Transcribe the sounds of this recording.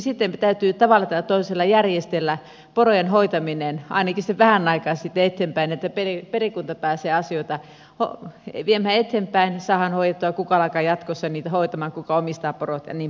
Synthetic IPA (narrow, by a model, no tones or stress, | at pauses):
sit̪ːemt̪æyt̪yt̪ɑʋɑlːɑt̪æt̪oiselːɑjærjest̪elːæ | porojenhoit̪ɑminenɑ̰inɑkiseʋæhænɑikɑsit̪ːeet̪ːempæinet̪ːæperiperikunt̪ɑpæːseːɑsioit̪ɑ | ho̰ʋiemhæet̪ːempæinsɑːhɑnhoijet̪ːuɑkukɑɑlɑkɑjɑt̪kosːɑniːt̪æhoit̪ɑmɑːŋkukɑomist̪ɑːporot̪jɑ̰niːm